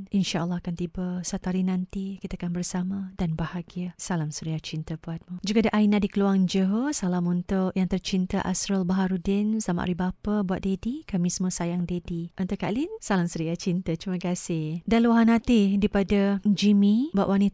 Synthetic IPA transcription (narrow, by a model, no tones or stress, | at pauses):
ʔinʃaʔəlˠːɑakant̪ibasat̪aɾinãnt̪ikit̪aakanbərsamadanbahaɡiasalamsuɾiat͡ʃint̪əbuat̪̚mud͡ʒuɡadaʔainadikəluaŋd͡ʒəɦosalamunt̪ʊʔjaŋt̪ərt͡ʃint̪əʔa̰sɾəlbaɦaɾudɪnsama̰ʔa̰ɾibapabuat̪̚dedikamĩsəməsajaŋdediʔənt̪uka̰linsalamsuɾiat͡ʃint̪at͡ʃɾiməkasɪhdaluaɦanãt̪idipadad͡ʒimĩbuaʔwanit̪